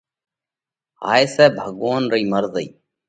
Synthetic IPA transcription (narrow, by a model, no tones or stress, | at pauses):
ɦa̰ːeːsɛːbʱəɡʋaːnɾəiːməɾd̪əḭː